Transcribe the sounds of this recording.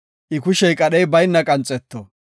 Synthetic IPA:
ʔɪkʊʃɛjkʼɐɗɛjbɐjnːɐkʼɐnt͡sʼːɛt̪ːɔ

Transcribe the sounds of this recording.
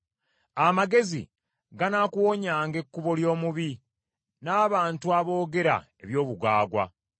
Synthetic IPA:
amaɡe̞zḭ | ɡanakuwoɲaːŋɡe̞kːuβo̞ljo̞ːmuβi | naːβaːntuaβo̞ːɡe̞ɾa̰e̞̰βjo̞ːβuɡaːɡwa̰

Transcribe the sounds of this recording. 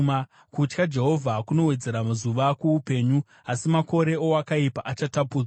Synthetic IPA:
a | kut͡ʃkad͡ʒe̞ɦo̞vʱakuno̞we̞d͡ze̞ɾamazuʋakuupe̞ːɲu | asimako̞ɾe̞o̞akaipaʔat͡ʃatapuːd͡za

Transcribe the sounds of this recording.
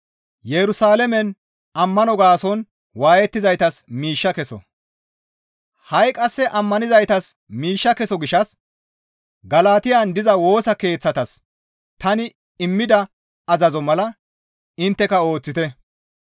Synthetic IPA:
jɛɾʊsaːlɛmɛn | ɐmːɐnɔɡaːsɔn | waːjɛt̪ːɪzɐjt̪ɐsmiːʃːɐkɛsɔ̰ | hɐjkʼɐsːɛʔɐmːɐnɪzɐjt̪ɐsmiːʃːɐkɛsɔɡɪʃɐs | ɡɐlaːt̪ɪjaːnd̪ɪzɐwo̞ːsɐke̞ːt͡sːɐt̪ɐs | t̪ɐnɪ | ɪmːɪd̪ɐ | ɐzɐzɔmɐlɐ | ɪnt̪ːɛkɐo̞ːt͡sːɪt̪ɛ

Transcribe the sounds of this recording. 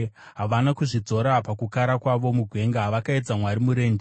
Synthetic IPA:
ɦaʋanakuʐid͡zo̞ɾapakukaɾakwaʋo̞muɡʱwe̞ŋɡaʋakaed͡zamwaɾimuɾe̞ːnd͡ʒe

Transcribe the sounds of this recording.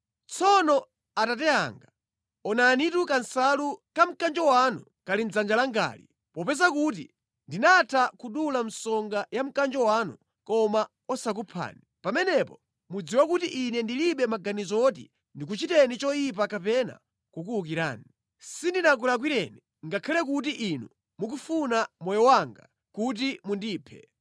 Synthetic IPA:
t͡sʰɔnɔ | atat̬ɛa̰ŋɡa | ɔnaːnitukansalukam̩kand͡ʒɔwanu | kalin̩d͡zand͡ʒalaŋɡa̰ːlḭ | pɔpɛsakut̬ḭ | ndinatʰakuɗulam̩sɔŋɡajam̩kand͡ʒɔwanṵ | kɔma | ɔsak̬upʰa̰ːni | pamɛnɛpɔ | mud͡ziwakutiʔinɛndiliɓɛmaɡanizɔtḭ | ndik̬ut͡ʃitɛnit͡ʃɔjip̬akapɛna̰ | kukuuk̬iɾa̰ːni | sindinak̬ulak̬wiɾɛ̰ni | ŋɡakʰalɛk̬ut̬iʔinu | muk̬ufunamɔjɔwaŋɡa̰ | kut̬imundiːpʰɛ̰

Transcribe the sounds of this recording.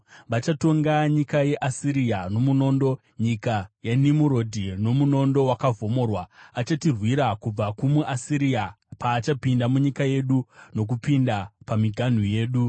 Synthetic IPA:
ʋat͡ʃato̞ŋɡaɲikaje̞ʔasiɾiano̞muno̞ndo̞ | ɲikajanimuɾo̞dʱino̞muno̞ndo̞wakavʱo̞mo̞ːrwaat͡ʃatirwiɾakub͡vakumuʔasiɾia | paːt͡ʃapindamuɲikaje̞ɗuno̞k̬upindapamiɡʱan̤uje̞ːɗu

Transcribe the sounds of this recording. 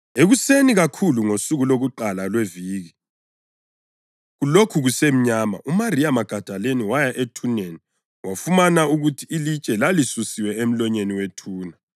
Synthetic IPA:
eɣuseniɣakʰuluŋosuɣuloɣuǃalalweviːɣi | ɣulokʰuɣusem̩ɲaːma̰ʔumariamaɡ̥ʱad̥ʱaleniwajaʔetʰuneni | wafumanauɣutʰiilit͡ʃʼɛlalisusiwɛem̩lɔɲeniwetʰuːna

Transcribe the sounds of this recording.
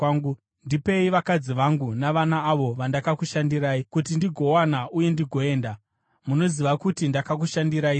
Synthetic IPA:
ŋɡu | ndipe̞iʋakad͡ziʋaŋɡunaʋanaːʋo̞ʋandakakuʃandiɾaːikutindiɡʱo̞wanaʔuje̞ndiɡʱo̞e̞ːnda | muno̞ziʋakutindakak̬uʃandiɾai

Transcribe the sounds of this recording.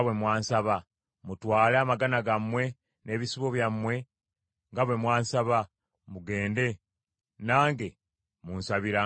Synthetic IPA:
wemwaːnsaβa | mutwaːleamaɡanaɡamːwe̞ | ne̞ːβisiβo̞βjamwe̞ | ŋɡaβwe̞mwaːnsaβa | muɡe̞ːnde̞ | naːŋɡe̞ | munsaβiɾa

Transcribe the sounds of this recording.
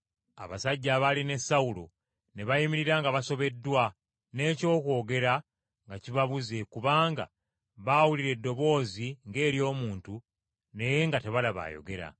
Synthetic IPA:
a̰βasaɟːaβaline̞saulo̞̰ | ne̞βajimiɾiɾaŋɡaβaso̞βe̞dːwa | ne̞ːco̞ːkwo̞ːɡe̞ɾa | ŋɡaciβaβuze̞kuβaːŋɡa̰ | βawuliɾe̞dːo̞βo̞ːziŋɡe̞ːɾjo̞ːmuːntu | ne̞je̞ŋɡate̞βalaβa̰ːjo̞̰ɡe̞ɾa̰

